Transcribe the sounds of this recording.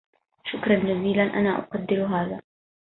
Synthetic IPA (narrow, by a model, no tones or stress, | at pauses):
ʃʊkɾˤɑnd͡ʒaziːlanʔanaːʔʊ̰qɑd̪ːɪɾɦaːðaː